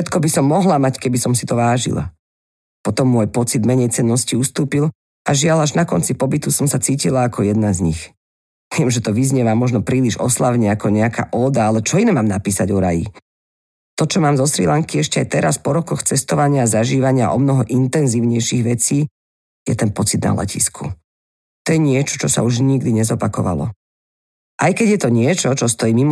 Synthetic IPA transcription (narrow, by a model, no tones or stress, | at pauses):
ʃɛt̪kɔbisɔmːɔɦlamackɛbisɔmsit̪ɔʋaːʒḭla̰ | pɔt̪ɔmːʊɔjpɔt͡sid̪mɛɲɛjt͡sɛnːɔsciust̪uːpil | aʒɪalaʒnakɔnt͡sipɔbit̪usɔmsat͡siːcilaːkʰɔjɛd̪̚nazɲix | ʋɪɛmʒɛt̪ɔʋizɲɪɛʋamɔʒnɔpɾiːliʒɔ̰slaʊɲɛakɔɲɛaka̰ːʔɔːd̪aalɛt͡ʃɔinɛmaːmnapiːsaɟɔɾa̰jḭ | t̪ɔt͡ʃɔmaːmzɔsɾḭlaŋkiɛʃcɛajt̪ɛɾaspɔɾɔkɔxt͡sɛst̪ɔʋaɲɪaːzaʒiːʋaɲɪaʔɔ̰mnɔɦɔʔint̪ɛnziːʊɲɛjʃiɣʋɛt͡siː | jɛt̪ɛnpɔt͡sid̪na̰la̰cḭskʰṵ | t̪ɔjɛɲɪɛt͡ʃɔ̥t͡ʃɔsa̰uʒɲiɡd̪iɲɛzɔpakɔʋa̰lɔ̰ | ʔajkɛɟjɛt̪ɔɲɪɛt͡ʃɔt͡ʃɔst̪ɔjiːmim